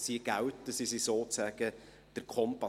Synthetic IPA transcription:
siɡ̥æwtəsisisoːt͡sæːɡ̥ə | d̥əɾkʰχɔmpɑ

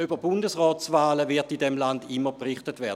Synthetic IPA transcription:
yb̥əbʊndəsʁɔːt͡svaːləvɪɐtidɛmlandɪmːəpʁɪχtətvɛːɐdə

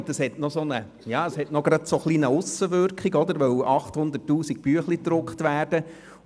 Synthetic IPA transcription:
d̥ɑshɛtnɔsonə | jɑːəshɛtnɔɡɾɑd̥̪soχliːnəʊsːəʋʏɾkχiɡɔd̪əɾʋœwɑχthʊnd̪ətːuːsik̚pyəχlid̪ɾʊkχt̪ʋæːrd̥ə

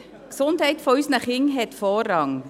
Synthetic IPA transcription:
ksʊndhɛɪtfɔysnəχɪŋɦɛt̪foːrɑŋ

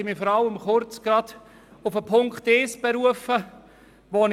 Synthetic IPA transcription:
ɪmifɔɾɑləmχʊɾt͡sɡ̥ɾɑd̪ | ʊfəpʰʊŋktɪːsb̥eɾuəfə | ʋon

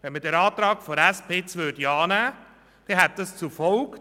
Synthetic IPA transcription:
ʋɛnmədɛɾɑːt̪ɾɑːkfɔɾæspɪt͡sʋødiɑːnæː | d̥ɛɦɛt̪̚dɑst͡sufɔlk

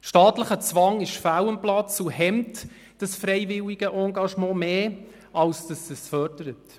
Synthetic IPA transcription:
ʃtɑːtləχət͡sʋɑŋɪʃfæwəmplɑt͡suɦɛmt | d̥ɑsfɾɛɪvɪliɡ̥əʔɑːŋɡɑʃmɑ̃ːmeː | ɑlsd̥ɑsəsfœɾdəɾət

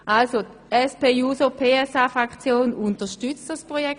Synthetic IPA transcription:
ʔalso | ɛspeːjuːsopʰeːɛsaːfʁakt͡sjoːnuntəʃtyt͡std̥aspʁojɛk

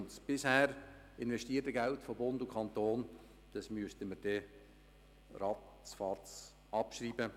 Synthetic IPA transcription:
nsb̥ɪshɛːɾ | ɪnvɛʃtiːətəɡɛltfobʊndukʰχɑnt̪oːn | d̥ɑsmyəstəməɾd̥ɛ | rɑ | sfɑːtt͡s | ɑpʃriːbə

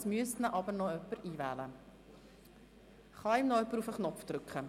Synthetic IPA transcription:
smyəstnəʔɑbərnɔœpːəriːvæːlə | χɑːimnɔœpruːfəχnɔpfdrɵkχə

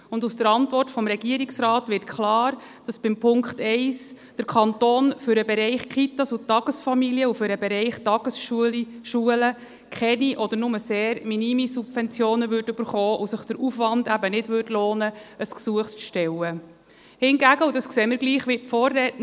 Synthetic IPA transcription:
ʊndusd̥əɾɑntʋɔrtfɔmɾɛɡ̥iəɾiksrɑːtʋɪrtkʰlɑːɾ | d̥ɑsb̥ɪmpʰʊŋkχtɛɪs | d̥əɾkʰχɑntoːnfʏɾəbɛɾɛɪχkχit̪ɑsutːɑɡ̥əsfɑmiliəufʏɾəbɛɾɛɪχtɑɡ̥əsʃuəlʃuələ | kʰχɛniʔɔd̥̪ənʊməseːɾminimisub̥vɛnt͡sjoːnəʋʏɾdtʉb̥əɾχɔːʔusəχd̥əɾʔufʋɑndæbənɪdʋʏtloːnəəsksuəχt͡sʃtɛwə | hɪnɡæɡəudɑskseːmɪɾɡliːχʋipfɔːrːɛtn

